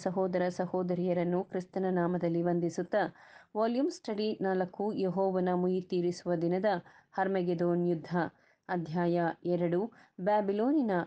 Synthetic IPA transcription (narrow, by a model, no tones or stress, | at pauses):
sɐɦɔːd̪ɐɾɐsɐhɔːd̪ɐɾijɐɾɐnːukɾist̪ɐnɐnaːmɐd̪ɐlːiʋɐnd̪isut̪ːɐʋaːljumsʈʰɐɽinaːlɐkːujeɦɔːʋɐnɐmujit̪iːɾisuʋɐd̪inɐd̪ɐ | hɐɾmɐɡed̪oːnjud̪ʱːɐː | d̪ʱjaːjɐɛɾɐɽubaːbiloːninɐ